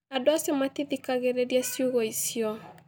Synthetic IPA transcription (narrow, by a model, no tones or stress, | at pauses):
adoasematiðikaɣeɾeɾjasjuɣoisjɔ